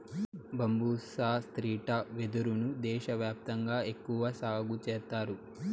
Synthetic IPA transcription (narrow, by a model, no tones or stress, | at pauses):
bɐmbuːsaːst̪ɾiːʈɐʋed̪uɾunud̪ɛːʃɐʋjaːp̚t̪ɐŋɡaːe̞kːuʋɐsaːɡut͡ʃɛːɾt̪aːɾu